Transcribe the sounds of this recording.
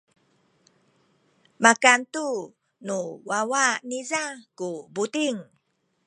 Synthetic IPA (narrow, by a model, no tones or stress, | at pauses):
makant̪u | nuwawanizakubut̪iŋ